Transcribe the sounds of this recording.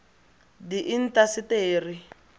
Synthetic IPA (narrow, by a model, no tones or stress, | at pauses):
diʔin̩tasiteːri